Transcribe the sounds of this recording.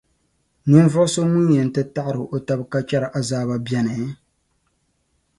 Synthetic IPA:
nɨ˦n˦vʊ˦ʔso˦mu˦jɛ˨n̩˨tɨ˦ta˦ʔɾɨ˨ʔo˨ta˦bka˦t͡ʃɛ˦ɾa˨ʔa˦zaː˦βa˦bjɛ˦nɨ˨˦

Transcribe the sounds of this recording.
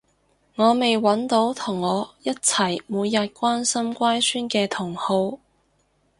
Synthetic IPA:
ŋɔː˨˧me˨jwɐ˨˥nt̪o˨˥wt̪ʰʊ˨˩ŋːɔː˨˧jɐ˥t̚t͡sʰɐ˨˩jmuː˨˧jːɐ˨t̚kʷaː˥nsɐ˥mkʷaː˥jsyː˥nkɛː˧t̪ʰʊ˨˩ŋho˧w

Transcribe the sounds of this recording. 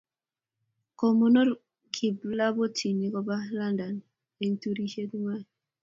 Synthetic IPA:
ko˨mo˦no˦ɾ | kʰi˨bla˦bo˦ti˨ni˨˦kɔ˦ba˦la˦nda˨n | e˨ntu˦ɾi˦ʃe˦tma˦

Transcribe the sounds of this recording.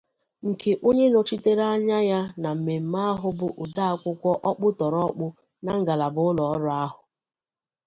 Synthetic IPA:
ŋ̩˨kʰe˨ʔo˦ɲe˦no˨t͡ʃi˦te˦ɾa˦ɲa˦ja˦na˨m̩˨me˨m̩˨ma˦a˦ɦʊ˦bʊ˨ʔʊ˨da˦a˦kʷʊ˦kʷɔ˦ʔɔ˦k͡pʊ˦tɔ˨ɾɔ˦k͡pʊ˦ | na˨ŋ̩˦ɡa˨la˨bʊ˦ʊ˦lɔ˨ɔ˦ɾʊ˨˦a˦ɦʊ˨

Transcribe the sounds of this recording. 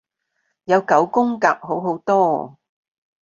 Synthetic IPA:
jɐ˨˧wkɐ˨˥wkʊ˥ŋka̰ː˧p̚ɦo˨˥wɦo˨˥wt̪ɔː˥

